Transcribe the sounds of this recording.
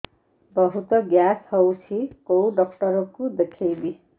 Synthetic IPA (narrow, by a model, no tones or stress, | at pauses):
bʌɦut̪ʌɡjashʌwt͡sʰikowɖʌkʈʌɾʌkud̪ekʰebi